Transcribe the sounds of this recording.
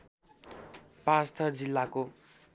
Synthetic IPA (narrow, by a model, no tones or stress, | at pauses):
past̪ʰʌrd͡zilːako